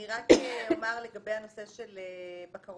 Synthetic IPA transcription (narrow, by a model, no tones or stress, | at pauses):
iʁakeomaʁleɡabejhanose̞ʃelebakaʁ